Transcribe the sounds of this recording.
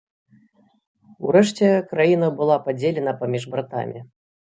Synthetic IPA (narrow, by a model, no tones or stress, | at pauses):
uɾɛʂt͡sʲɛkɾajinɐbɨlˠapad͡zʲelʲɛnɐpamʲiʐbɾat̪a̰mʲi